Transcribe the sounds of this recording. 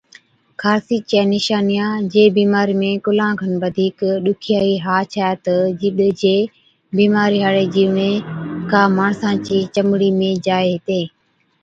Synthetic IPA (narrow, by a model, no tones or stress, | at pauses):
kʰaːsiːt͡ʃaːnɪʃaːnijãːd͡ʒeːbiːmaːɾiːmẽːkʊlãːɡʱənʋəd̪ʱiːkɗʊkʰɪjaːiːɦaːt͡ʃʰaːt̪əd͡ʒɪɗd͡ʒeː | biːmaːɾiɦaːɽeːd͡ʒiːʋɳẽːkãːmaːɳ̃sãːt͡ʃiːt͡ʃəmɽiːmẽːd͡ʒaːeɦɪt̪eː